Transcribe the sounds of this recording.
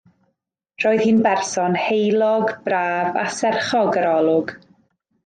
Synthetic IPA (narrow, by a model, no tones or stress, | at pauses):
r̥ɔːɨðhiːnbɛrsɔnhejlˠɔɡbraːva̰sɛrχɔɡəɾɔlˠʊɡ̥